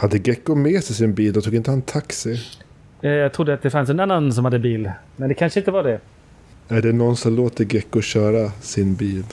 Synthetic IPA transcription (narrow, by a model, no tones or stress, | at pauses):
had̪ːəɡɛkːʊmeːsɛjsɪnbiːld̪ɔt̪ʰuːɡɪnt̪əhant̪ʰaksɪ | jɑːɡt̪ʰɾʊd̪ːəat̪̚d̪ɛfans̬ɛnanːans̬ɔmhad̪ːəbiːlmɛnd̪ɛkʰanʂəɪnt̪əvɑːɖɛ | æɖɛnɔnsɔmloːt̪əɾɡɛkːʊɕœːɾasɪnbiːl